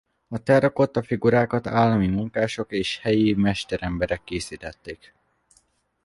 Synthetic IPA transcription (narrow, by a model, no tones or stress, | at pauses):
ɒt̪ɛrɒko̞t̪ːɒfiɡuɾaːkɒt̪aːlːɒmimuŋkaːʃo̞keːʃhɛjimɛʃt̪ɛɾɛmbɛɾɛkːeːsiːt̪ɛt̪ːeːk